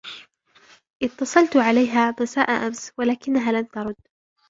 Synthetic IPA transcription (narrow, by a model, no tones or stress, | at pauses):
ʔɪt̪ːɑsˤɑlt̪ʕalajɦaːmasaːʔaʔamswalaːkɪnːaɦaːlamt̪ɑɾˤʊd̪ː